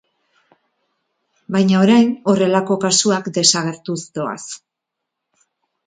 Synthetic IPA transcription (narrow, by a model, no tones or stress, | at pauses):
bajɲao̞ɾajno̞re̞lako̞kasuakd̪e̞saɣ̞e̞ɾt̪usd̪o̞a̰s